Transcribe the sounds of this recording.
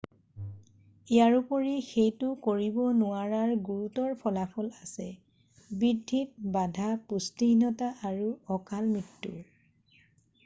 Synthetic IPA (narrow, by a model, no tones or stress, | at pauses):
ijaɹupɔɹixejtʊkoɹibɔnʊaɹaɹɡuɹutɔɹpʰɔlapʰɔlasɛ | bidʱːit̚badʱapustinɔtaʔaɹuɔkalmitːṵɹ